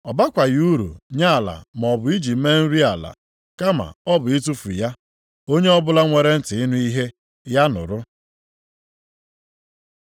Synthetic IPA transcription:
ɔ˨ba˦kʷa˨ju˦ɾṵ˨ɲa˦a˨la̰˨m˨ɔ˨bʊ˨i˦d͡ʒi˨˦me˦n̩˦ɾi˦a˨la̰˨ | ka˦ma̰˨ɔ˦bʊ˨i˦t̬u˦fu˨ja˦ | o˦ɲe˦ɔ˦bʊ˦la˦ŋʷe˨ɾe˦n̩˦tɪ˨ɪ˦nu˦i˦ɦe˦ | ja˦nʊ̰˨ɾʊ˦

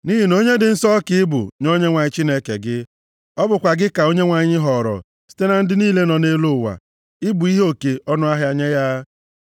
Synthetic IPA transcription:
ni˦ɦi˨n˦o˦ɲe˦dɪ˨n̩˦sɔ˦kɪ˨ɪ˦bʊ̰˨ɲo˦ɲe˦ŋʷa˨ɲɪ˦t͡ʃi˦ne˦kḛ˨ɡɪ˦ | ɔ˦bʊ˨kʷa˨ɡɪ˦ka˨o˦ɲe˦ŋʷa˨ɲɪ˦ɦɔ˨ɾɔ̰˨ | si̥˦te˦na˨n̩˦dɪ˦niː˦le˦nɔ˨ne˦lu˦˨wa̰˨ | ɪ˦bʊ˨i˦ɦo˦ke˨ɔ˦nʊ˦a˦ɦja˨ɲe˦ja˦

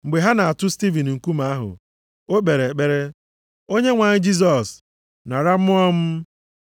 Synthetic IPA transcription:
ŋ͡m̩˨ɡ͡be˨ɦa˦na˨a˨tʊ˦sti˦vi˨n˨ŋ̩˨ku˦ma˨˦a˦ɦʊ̰˨ | o˦k͡pe˨ɾe˨k͡pe˨ɾe˦ | o˦ɲe˦ŋʷa˨ɲɪ˦d͡ʒi˦s̬ɔ˨s | na˨ɾa˦m̩˦ɔ˦m̩˦

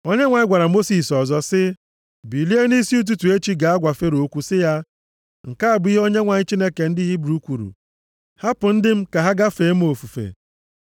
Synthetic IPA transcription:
o˦ɲe˦ŋʷa˨ɲ˦ɡʷa˨ɾa˨mo˦si˨sɔ˨zɔ˦sɪ˦ | bi˨li˦e˦ni˦si˦u˦t̬u˦tu˨e˦t͡ʃi˦ɡa˨a˦ɡʷa˨fe˦ɾo˦kʷu˦sɪ˦ja˦ | ŋ̩˨ka˦a˨bi˦ɦo˦ɲe˦ŋʷa˨ɲɪ˦t͡ʃi˦ne˦ke˨n̩˦di˦ɦi˦bu˦kʷu˨ɾṵ˨ | ha˦pʊ˨n̩˦dɪ˦m̩˦ka˨ɦa˦ɡa˦fe˨˦m̩˦o˨fu˨fḛ˨

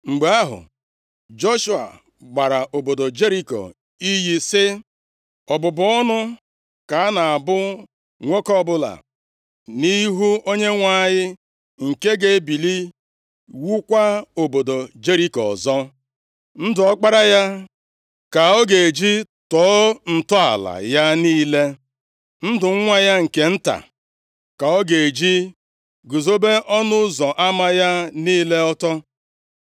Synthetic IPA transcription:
ŋ͡m̩˨ɡ͡be˨˦a˦ɦʊ̰˨ | d͡ʒo˦ʃu˦a̰˨ | ɡ͡ba˨ɾa˨ʔo˨bo˨do˨d͡ʒe˦ɾi˦ko̰˨ | i˦ji˦sɪ˦ | ɔ˨bʊ˨bʊ˨˦ɔ˦nʊ˦ | ka˨a˦na˨a˨bʊ˦ | ŋʷo˦kɔ˦bʊ˦la̰˨ | ni˦ɦu˦o˦ɲe˦ŋʷa˦ɲɪ˦ | ŋ̩˨ke˦ɡe˦bi˨li˦ | wu˦kʷa˦o˨bo˨do˨d͡ʒe˦ɾi˦kɔ̰˨zɔ˦ | n̩˦dʊ˨ɔ˦k͡pa˦ɾa˦ja˦ | ka˨ɔ˦ɡe˨e˨d͡ʒi˦ | tɔː˨˦n̩˨tɔ˦a̰˨la̰˨ja˦niː˦le˦ | n̩˦dʊ˨ŋ̩˦ŋʷa˦ja˦ŋ̩˨ke˨n̩˦ta̰˨ | ka˨ɔ˦ɡe˨d͡ʒi˦ | ɡʊ˨zo˦be˦ʔɔ˦nʊ˦zɔ˨ʔa˦ma˦ja˦niː˦le˦ɔ˦tɔ˦

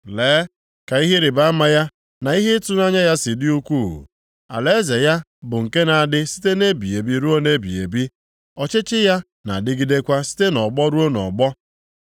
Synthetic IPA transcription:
leː˨˦ | ka˨i˦ɦe˦ɾɪ˨ba˦a˦ma˦ja˦ | na˨i˦ɦe˦tu˦na˦ɲa˦ja˦sɪ˨dɪ˦u˦kʷṵ˦˨ | a̰˨le˦ze˨ja˦ | bʊ˨ŋ̩˨ke˦na˨a˨dɪ˦si̥˦te˦ne˦bi˨e˨bi˦ɾu˦o˦ne˦bi˨ḛ˨bi˦ | ɔ˨t͡ʃɪ˦t͡ʃɪ˦ja˦ | na̰˨dɪ˦ɡi˦de˦kʷa˦si̥˦te˦nɔ˨ɡ͡bɔ˦ɾu˦o˦nɔ̰˨ɡ͡bɔ˦

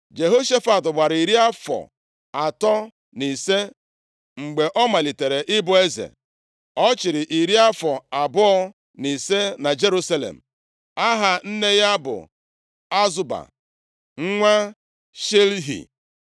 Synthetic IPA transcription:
d͡ʒe˨ɦo˦ʃe˦fa˨tʊ˨ɡ͡ba˨ɾi˨ɾi˦a˦fɔ̰˨ | a˨tɔ˦ | ni˨se˦ | ŋ͡m̩˨ɡ͡be˨ʔɔ˦ma˨li˨te˨ɾe˨ʔɪ˦bʊ˨e˦zḛ˨ | ɔ˦t͡ʃɪ˨ɾɪ˨ʔi˨ɾi˦a˦fɔ˨a˨bʊ˦ɔ˦ | ni˨se˦na˨d͡ʒe˦ɾu˦sa˦lḛ˨m̩˨ | a˦ɦa˨n̩˦ne˦ja˦bʊ̰˨ | a˦zʊ˦ba̰˨ | ŋ̩˦ŋʷa˦ | ʃe˦lɦḭ˨

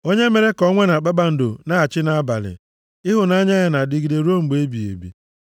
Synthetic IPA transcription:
o˦ɲe˦me˨ɾe˦kɔ˦ŋʷe˦na˨k͡pa˦ɡ͡ba˨n̩˨dʊ˨na˦a˨t͡ʃɪ˦na˨a˦ba˨lɪ̰˨ | ɪ˦ɦʊ˨na˦ɲa˦ja˨na˨dɪ˨ɡi˨de˨ɾo˦ŋ͡m̩˨ɡ͡be˦bi˨ḛ˨bḭ˨

